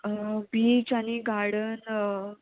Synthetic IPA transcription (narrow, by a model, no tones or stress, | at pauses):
biːt͡ɕaniɡʱaɽən